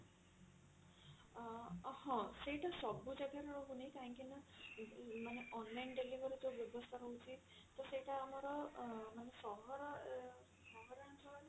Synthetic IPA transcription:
hɔ̃sejʈasɔbːud͡ʒaɡaɾɔɾɔɦunejk̪aɦĩŋkina | maneʔɔnlajnɖelibʱɔɾit̪objɔbɔst̪ʰaɦɔut͡sit̪̚ | t̪ɔsejʈaːmɔɾɔmanesɔɦɔɾ | sɔɦɔɾant̪ʰɔl

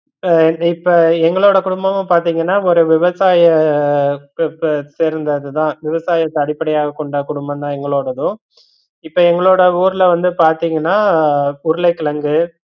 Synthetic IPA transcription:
ɪpːoɛŋɡɐɭoːɽɐkʊɽʊmbɐmɐ̃paːɾt̪iːŋɡɐnːaːɔɾeːʋɪʋɐsaːjɐ | seːɾɯnd̪ɐðɯt̪ãːʋɪʋɐsaːjɐt̪ːɐɽɪpːɐɽɐjaːɣɐkːɔɳɖɐkʊɽʊmbɐt̪ãːɛŋɡɐɭoːɽɐðʊ̃ | ɪpːoːɛŋɡɐɭoːɽɐuːɾlɐʋɐnd̪ɯpaːɾt̪iːŋɡɐnːaːʊɾʊlɐɪkːɪɭɐŋɡɯ

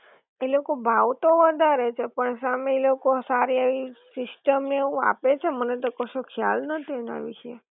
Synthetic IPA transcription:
elokobʱaʋt̪oʋəd̪ʱaɾet͡ʃʰepəɳsameːlokosaɾiaʋisɪsʈəmneeũa̰pet͡ʃʰemənet̪̬okəʃokʰja̰lnət̪ʰina̰ʋḭʃe

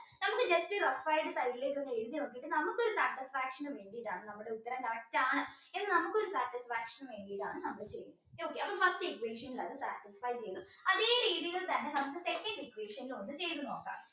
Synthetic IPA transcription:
nɐmukːɨd͡ʑɐstɨrɐfɐjɖɨsɐjlːek̪ːuɐɲːɐeɻuðiɐokːiiʈːɨnɐmukːo̞ɾusaːʈːisfaːkʂɐnɨʋe̞ːɳɖiːɽaːɳɨnɐmːuɽe̞ut̪ːɐɾɐmkɐrɐk̚tːɐaːɳɨ | enːɨnɐmukːɨo̞ɾusaːʈːisfaːkʂɐnʋe̞ːɳɖijʈaːɳɨnɐmːɐɭet͡ɕḛjːunɐoːkːeɐpːɐfɐsʈɨekʋeːʂɐnilɐðɨsa̰ːʈːisfɐjt͡ɕejɐðu | ɐðeːɾiːɽiɣɐɭt̪ɐnːenɐmukːɨsekːɐɳɖekʋeːʂɐnilond̪ɨt͡ɕe̞jt̪ːunoːkːa̰ːm

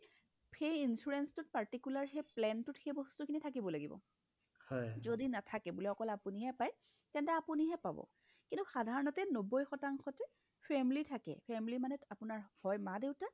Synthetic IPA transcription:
xejinsuɹɛnstʊt̚paɹtikulaɹxejplɛntʊtxejbɔstukʰinitʰakibɔlaɡḭbɔ̰ | hɔjzodinatʰakɛbulɛɔkɔlapuniɦɛpaj | tɛntɛapuniɦɛpabɔ̰ | kintuxadʱaɹɔnɔtɛnobɔjxɔtaŋxɔtɛ | pʰɛmilitʰakɛ̰pʰɛmilimanɛapʊnaɹhɔjmadeʊta

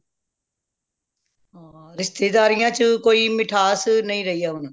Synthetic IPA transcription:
ɦãːɾɪst̪eːd̪aːɾɪjãːt͡ʃəkoːiːmɪʈʰaːsnəĩːɾəɦiːjaːɦʊnː

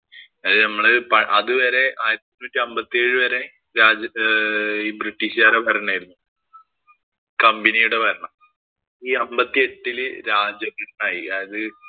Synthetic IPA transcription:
ɐðɨnɐmːɐɭɨpɐʔɐðɨʋɐɾe̞ʔaːjɾɐt̪ːnːuːtːiɐmbɐt̪ːieːɻɨʋɐɾe̞ | ɾaːd͡ʑɐ | iːbriʈːiɕaːɾepɐɾɐɳaːjiɾunːu | kɐmbinijuɽepɐɾɐɳɐm | iːɐmbɐt̪ːie̞ʈːilɾaːd͡ʑɐmːiʈːɐnaːjiaːjɐðɨ

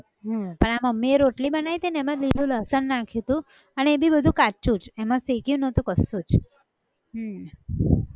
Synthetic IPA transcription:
ɦə̃pəɳamameɾoʈlibənait̪inemãlilũləsənːakʰit̪ũ | əneebʱibəd̪ʱũkat͡ʃũt͡ʃemãsekjũnət̪ũkəsũt͡ʃ | ɦ

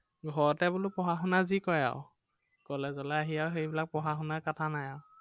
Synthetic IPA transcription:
ɡʱɔɹɔtɛbʊlʊpɔɦaxunazikɔja̰ʊ | kɔlɛzɔlɛaɦijawxejbilak̚pɔɦaxunaɹkatʰanajaʊ

